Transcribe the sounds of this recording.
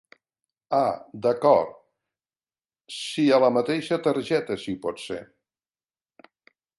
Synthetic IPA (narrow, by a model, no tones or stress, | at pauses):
ad̪əkɔɾt̪ | siələmət̪eʃət̪əɾʒɛt̪əsiupɔt̪sḛ